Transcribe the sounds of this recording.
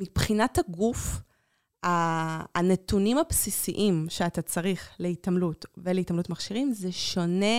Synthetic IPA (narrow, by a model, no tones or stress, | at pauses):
mipχinathaɡuf | aːnetunimapsisiʔimʃeatat͡saʁiχleitamlutveleitamlutmaχʃiʁimzeʃo̞ne̞